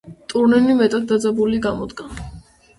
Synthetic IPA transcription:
t̪ʼuɾnɛmimɛt̪ʼat̪̚d̪ad̪zabuliɡamɔd̪ɡa

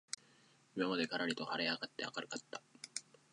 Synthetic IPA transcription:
imamad̪e̞ɡaɾaɾʲit̪o̞haɾeaɡat̪ːe̞a̰kaɾɯ̟kat̪ːa

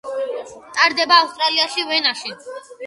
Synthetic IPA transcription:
t̪ʼaɾd̪ɛbaːust̪ʼɾaliaʃivɛnaʃi

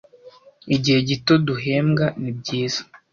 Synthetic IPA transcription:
iɟihe̞ɟito̞duɦe̞ːmɡanib̚ɟiːz̥ḁ

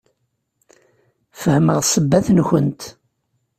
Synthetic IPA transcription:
fəhməʁsˤəbːæθnçənt̪

